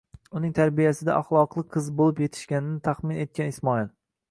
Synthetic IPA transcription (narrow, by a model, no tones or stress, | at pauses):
ʊnɪŋt̪ʰaɾbijasɪd̪a̰ʔaχlˠɒqlˠɨqʰɨzbolˠɪpje̞t̪ʰɪ̥ʃkʲanɪnɪt̪ʰaχmɪne̞t̪̚kʲanɪsmɒilˠ